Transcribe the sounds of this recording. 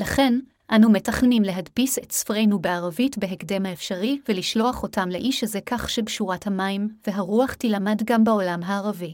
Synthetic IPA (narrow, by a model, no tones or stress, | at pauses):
laχe̞n | ʔanume̞taχnimle̞ɦadpisetsfʁe̞jnubeaʁavitbe̞ɦekde̞mhaefʃaʁiveliʃlo̞aχo̞tamle̞ʔiʃezekaχʃebʃuʁathamaimve̞ɦaʁuaχtilamadɡambao̞lamɦaːʁavi